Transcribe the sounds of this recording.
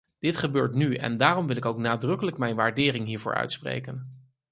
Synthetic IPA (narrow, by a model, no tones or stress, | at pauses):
d̥ɪtχəbøːɹtnyɛ̰ndaːrɔmʋɪlˠɪkowknaːdrɵkələkmɛjnʋaːɹdɪːrɪŋɦiːɹvʊ̰ːɹœ̰ɥtsprḛjkən